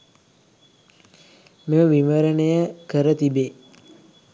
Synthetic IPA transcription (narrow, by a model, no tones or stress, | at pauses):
meməʋiməɾəɳejəkəɾət̪ibeː